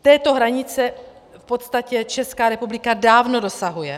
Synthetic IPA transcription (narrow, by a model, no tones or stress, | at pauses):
t̪ɛːt̪o̞ɦɾaɲɪt͡sɛ | fpo̞t̪st̪acɛt͡ʃɛskaːɾɛpublɪkadaːvno̞do̞saɦujɛ